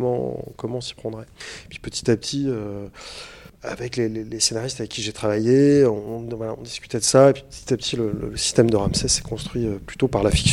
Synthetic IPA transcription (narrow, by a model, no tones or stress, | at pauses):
mɑ̰̃kɔmɑ̃si̥pχɑ̃d̪ʁɛepɥ̥i̥pət̪i̥t̪apət̪ʰiø | a̰vɛklelelesenaʁist̪avɛkʲːiʒet̪χavajeɔ̃ɔ̃vwalaɔ̰̃d̪iskʲy̥t̪ɛd̪əsaepɥi̥pə̥t̪i̥t̪apt̪ʰilələ̰ləsi̥st̪ɛmd̪əʁamsɛsɛ̥kɔ̃st̪χɥiøplyt̪opaʁlafi̥ks